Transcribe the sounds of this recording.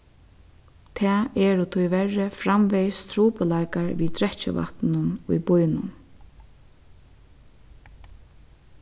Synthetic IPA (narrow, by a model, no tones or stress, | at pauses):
t̪ʰɛːɛɾʊt̪ʰʊjʋɛrɪfɾamʋɛjst̪ʰɾuːpəlajkaɹʋiːt̪ʰɾɛt͡ʃə̰ʋa̰t̪nʊnʊ̰jbʊjnʊn